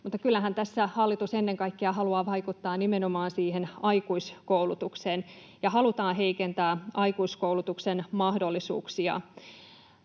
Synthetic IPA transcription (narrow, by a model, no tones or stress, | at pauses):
mut̪ːɑkylːæɦænt̪æsːæhɑlːit̪usenːeŋkɑikːeɑɦɑluɑːʋɑikut̪ːɑːnimenomɑːnsiːɦenɑikuiskoulut̪ukseːn | jɑhɑlut̪ɑːɦe̞ikent̪æːɑikuiskoulut̪uksenmɑhdo̞lːisṵːksiɑ̰